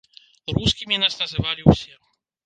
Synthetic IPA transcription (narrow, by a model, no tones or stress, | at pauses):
ɾuskʲimʲinasnɐzɨvalʲiwsʲɛ